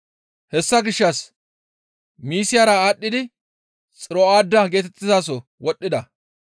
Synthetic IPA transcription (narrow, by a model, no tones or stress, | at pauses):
hɛsːɐɡɪʃːɐs | miːsɪjaːɾɐaːɗːɪd̪ɪ | t͡sʼɪɾɔaːd̪ːɐɡe̞ːt̪ɛt̪ːɪzaːs̬ɔ | wɔɗːɪd̪ɐ